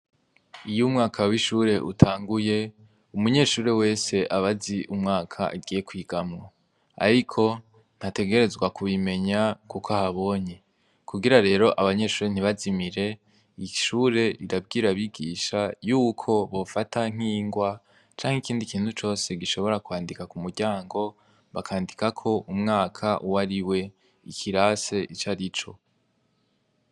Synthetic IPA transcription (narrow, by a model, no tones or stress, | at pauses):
ijumŋaːkʰawiʃuːɾe̞ʔṵtʰaːŋɡuje̞ | umuɲe̞ːʃuːɾe̞we̞ːse̞ʔaβaziʔumŋaːkʰa̰ʔiɡiːje̞kwiːɡ̥amŋo | a̰ɾikʰo̞ | n̥hate̞ɡe̞ɾe̞zɡwakuβime̞ɲakukahaβo̞ːɲe | kʰuɡiɾaɾe̞ːɾo̞ʔaβaɲe̞ʃuːɾe̞n̥iβazimiɾe̞ | iʃuːɾe̞iɾab̚ɡiːɾaβiɡiːʃajuːkʰo̞βo̞fatʰaŋ̥iːŋɡwa | t͡ʃaːŋhikiːndikiːnthut͡ʃo̞ːse̞ɡiʃo̞βo̞ɾakwaːndikakumuɾɟaːŋɡo̞ | βakʰaːndikakʰo̞ʔumŋaːkʰaʔuwaɾiwe̞ | ikʰiɾase̞ʔit͡ʃaɾit͡ʃo̞̰